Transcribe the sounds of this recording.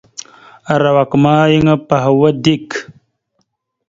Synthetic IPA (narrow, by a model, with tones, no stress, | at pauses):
a˨ɾa˨wa˨kma˦ji˦ŋa˦pa˨ɦa˨wa˦di˦˨k